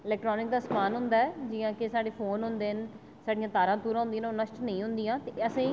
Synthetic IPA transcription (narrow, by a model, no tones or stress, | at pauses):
ɪlɛːkʈɾɔːnɪk̚d̪aːsəmaːnɦʊnd̪aːɛːd͡ʒiːãːkesaːɖeːpʰoːnɦʊ̃nd̪eːn | saːɖijãːt̪aːɾãːt̪uːɾãːʊ̃nd̪iãːnʊnə̃ʃʈnəĩːɦʊ̃nd̪ijãːt̪eːəsẽː